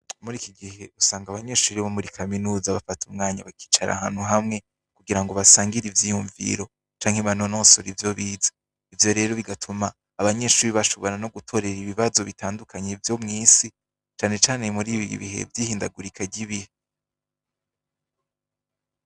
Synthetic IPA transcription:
muɾikiɡihe̞usaːŋɡaβaɲe̞ʃuːɾiβomuɾikʰaminuːzaβafatʰumŋaːɲa̰βakʰi̥ːt͡ʃaɾʔa̰ɦa̰ːn̥huɦamŋe̞ | kuɡiɾaŋɡo̞βasaːŋɡiɾivjijuɱvḭɾo̞ | t͡ʃaːŋ̥he̞βano̞noːsoɾivjo̞βiːzḁ | ivjo̞ɾe̞ːɾo̞βiɡatʰumaː | βaɲe̞ʃuːɾiβaʃo̞βo̞ɾano̞ɡutʰo̞ɾe̞ɾiβiβazo̞βitaːndukʰaɲevjo̞mŋiːsi | t͡ʃaːne̞t͡ʃaːnemuɾiβiḭβḭhe̞̰vjiːhiːndaɡuɾikʰaɟiβihe

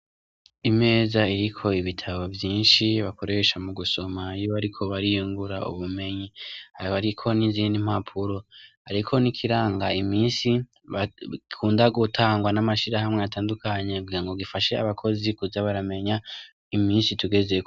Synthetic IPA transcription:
ime̞ːzaiɾikʰo̞iβitʰaβo̞vjiːnʃiβako̞ɾe̞ʃamuɡuso̞maijoβaɾikʰo̞βaɾijuŋɡuɾa̰ṵβume̞ɲihaɾβaɾikʰo̞niziːndim̥apʰuɾo̞haɾikʰo̞nikʰiɾaːŋɡaimiːnsi | βakʰuːndaɡutʰaːŋɡwanamaʃiɾahamŋe̞ataːndukaɲe̞ɡɡiɾaŋɡoɡifaʃe̞a̰βakʰo̞zikuzaβaɾame̞ɲa | imiːnsituɡe̞ze̞

